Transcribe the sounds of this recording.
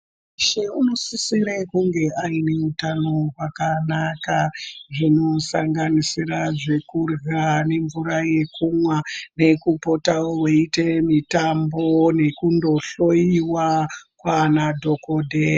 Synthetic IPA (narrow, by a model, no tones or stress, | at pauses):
ʃeuno̞sisiɾekuŋɡe̞ʔaine̞utano̞ɦwakanakaʐino̞saŋɡanisiraʐe̞kurɣane̞ɱvuɾaje̞kumwane̞kupo̞taoweitemitambo̞ne̞kundo̞ɬo̞iwakwanadʱo̞kodʱe